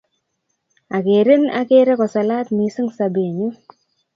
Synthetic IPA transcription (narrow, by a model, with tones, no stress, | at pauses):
a˨ke˨ɾe˦na̰˨ke˦ɾe˦kɔ˨sa˨la˦t̪mi˨sɪ˦ŋsa˨be˨ɲu˦